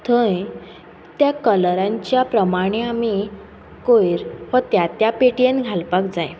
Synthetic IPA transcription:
t̪ʰə̃j | t̪jakəlɾãɲt͡ɕjapɾəmaɽ̃eami | kojɾʋət̪jat̪japeʈijenɡʱalpakd͡zaj

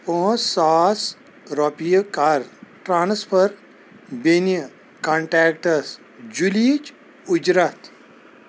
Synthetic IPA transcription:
õsaːs | ɾɔpijəkaɾʈɾaːnspʰəɾ | benjə | kaɳʈɛːkʈɐs | d͡ʒulit͡ʃ | ud͡ʒɾat̪

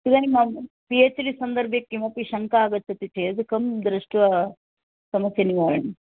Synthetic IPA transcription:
t̪id̪aːnimaːmpieːt͡ʃlisɐnd̪ɐɾbjɐkːimɐpiʃɐŋkaːɡɐt̪ːɐt̪iʈʰed̪ukɐmd̪ɾɐʂʈʋɐ | sɐmɐsjɐniʋaːɾɐɳi

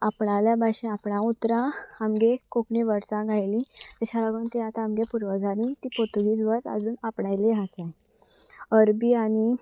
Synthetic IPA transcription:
apɳaljabʱaɕẽapɳãut̪ɾãamɡekokɳiʋəɾsãɡʱajlĩt̪əɕalaɡuːnt̪iat̪aamɡepuɾʋəd͡zʱaɾĩt̪ipot̪uɡiːd͡zʋəɾə̰d͡zuːnapɳajleɦasa | əɾbiːañi

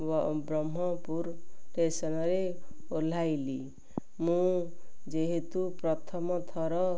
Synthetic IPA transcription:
bɾɔmːɔpuɾʈesɔnɔɾeol̤ajli | mũd͡ʒeɦet̪upɾɔt̪ʰɔmɔt̪ʰɔɾɔ

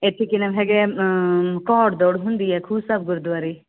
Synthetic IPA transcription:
et̪ʰikinɐmɦeɡe | kɔːɽd̪oːɽɦũnd̪iɛkʰuːsɐb̚ɡʊɾd̪ʋaɾi

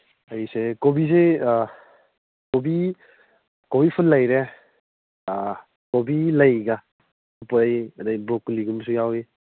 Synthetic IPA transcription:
ajsekobize | kobi | kobipʰunlːajɾe | kobilajɡa | upjɐdajbɾɔkuliɡumsujawi

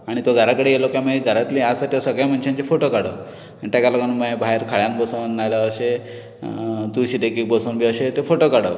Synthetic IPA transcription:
aɽ̃it̪oɡʱəɾakəɽejelokaməeɡʱəɾat̪liasaʈʰisəɡam̤əɳɕãnt͡ɕefoʈokaɽə | aɳit̪akalaɡanumabʱaɦeɾkʰaɭjanbəsnːajlaəɕe | t̪uɕid̪ekik̚bəsonbʱiəɕet̪efoʈokaɽə

